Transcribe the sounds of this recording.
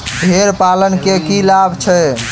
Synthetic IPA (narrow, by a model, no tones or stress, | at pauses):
bʱeɾpalənkekilabʱt͡ʃʰɛ